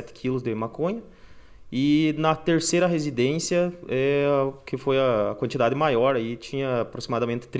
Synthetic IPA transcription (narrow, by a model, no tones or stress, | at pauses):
ɛt̪ɪ̥kʰilʊzd̪ɪmakõɲɐ | ɪnɐt̪eɾsejɾɐɦezid̪ẽsjɐɛkɪfojɐːkwɐ̃nt͡ʃid̪ad̪ɪmajɔɾait͡ʃĩɲɐːpɾosimad̪ɐmẽnt̪ɪ̥t̪ɾ